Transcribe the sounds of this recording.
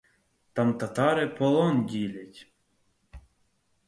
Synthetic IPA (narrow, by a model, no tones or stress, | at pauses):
t̪ɑmt̪ɐt̪ɑɾɪpɔlˠɔndʲilʲatʲ